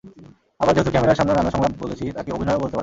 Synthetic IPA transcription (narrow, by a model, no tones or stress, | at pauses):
abaɾd͡ʑoɦot̪okɛmeɾaɾʃamneɾanaʃɔŋɡabbolet͡ɕʰit̪akeobʱinɔeobolt̪eaɾ